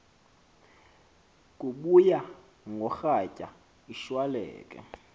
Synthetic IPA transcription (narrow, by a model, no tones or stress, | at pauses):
k̬ʼuɓuja | ŋɡʱɔxacʼa̰ | iʃwalɛ̰ːkʼɛ̰